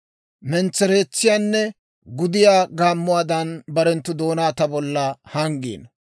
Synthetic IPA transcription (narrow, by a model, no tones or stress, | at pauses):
mɛnt͡sːɛɾe̞ːt͡sːɪjaːnːɛ | ɡʊd̪ɪjaːɡaːmːʊwaːd̪ɐnbɐɾɛnt̪ːʊd̪o̞ːnaːt̪ɐbɔlːɐhɐŋɡḭːn